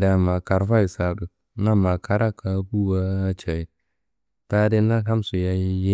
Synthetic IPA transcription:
da˨ma˨ka˨ɾfa˦i˨sa˨du˨ | na˦ma˨ka˨ɾa˦ka˨˦bu˦wa˦t͡ʃa˨i˨ | ta˦de˦na˦ka˦msu˨ja˦je˦

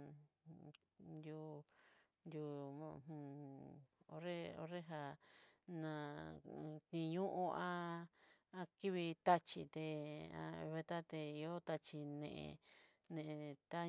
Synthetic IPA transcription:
nd̪ju˧ | nd̪ju˧mã˧˨hũ˧ | o˧˦ɾe˦o̰˧˦ɾe˦ɦa˧nã˨˧˨ | t̪nĩ˧ɲũ˦ʔũ˦ã˦ | ã˧ki˦βi˧t̪a˦t͡ʃi˧t̪e˧ã̰˧βe˧t̪a˦t̪e˧i˧o˦t̪a˧t͡ʃi˧nḛ̃˧ʔḛ̃˧ | nẽ˧ʔẽ˧t̪a˦

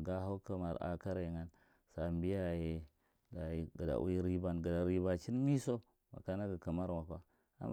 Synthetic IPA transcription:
ɡa˦ɦa˦wka˨ma˨ɾa̰˨ka˦ɾa˨ŋa˦n | sa˨mbi˦ja˨je˨ | da˨ɡə˨da̰˨ʔṵ˦i˦ɾi˦ba˨nɡə˨da˨ɾi˦ba˨t͡ʃi˦nmi˦so˦ | ma̰˨ka˦na˦ɡa˨ka˨ma˦ɾwa˨ka˦ | a̰˨m

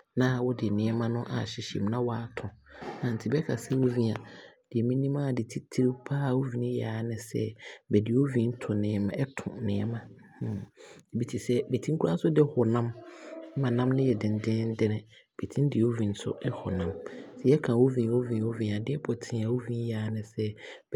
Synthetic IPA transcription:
nã˦˨wɔ˦dɪ˨nɪ̃˨˦ɛ˦mã˦nʊ̃˦ʔa˨ɕɪ˨ɕɛ̰˨mnã˦wɔ˦a˨tʰʊ̃˨nã˨n̩˨tʰɪ˨bɛ˦kʰa˨sɛ˦wo˦vĩ˦a˨d̥ɪ˨ɛ˨mĩ˦nĩ˦mã˦˨dɪ˨tʰi˦tʰi˦ɾi˦pʰa˦˨wo˦vĩ˨nɪ̃˦ja˨˦nɪ̃˨sɛ̰˦bɛ˨dɪ˨˦wo˦vĩ˦n̩˦tʰʊ̃˨nɪ̃˨˦˨mã˨ɛ˦tʰʊ̰̃˨nɪ̃˨ɛ˦mã˦˨ | e˨bi˦tʰi˨sɛ˦be˨tʰĩ˦ŋ̩˦kʰu˦ɾa˦sʊ˦dɪ˦hʊ˨nã˦m˦mã˨nã˦mnɪ̃˦jɛ˨dɪ̃˨n˨dɪ̃˦n̩˦dɪ˦nɪ̃˨ | b̥e˨tʰĩ˦n˦dɪ˨o˦vĩ˨n̩˦sʊ̰˦ɛ˦hʊ˨nã˦msɛ˦jɛ˦kʰã˨wo˦vĩ˨n˨wo˦vĩ˨o˦vĩ˨a˨dɪ˦ɛ˦pʰɔ˨tʰɪ̃˦a˨wo˦vĩ˦n˦jaː˨˦nɪ̃˨sɛ˦

